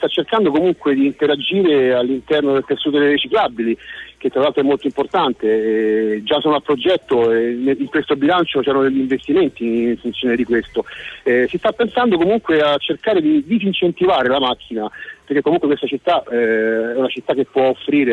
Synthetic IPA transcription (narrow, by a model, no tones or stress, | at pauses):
t̪at͡ʃːerkand̪okomuŋkwed̪iːnt̪eɾad͡ʒiːɾealːint̪ɛrnod̪elt̪esːuːt̪̬od̪eɾet͡ʃiklabilik̟et̪ːɾalalt̪ɾoɛmːolt̪oimport̪ant̪e | d͡ʒasoːnoapːɾod͡ʒɛt̪ːoneiŋkwest̪obilant͡ʃot͡ʃɛɾanod̪eʎːiɱvest̪iment̪iːɱfunt̪sjoːned̪ikwest̪oɛsist̪apːensand̪okomuŋkweat͡ʃːerkaːɾed̪id̪isint͡ʃent̪ivaːɾelamakʰːinaperkekːomuŋkwekwest̪at͡ʃit̪ːaɛɛunat͡ʃit̪ːak̟ːepːwɔofːɾiːɾe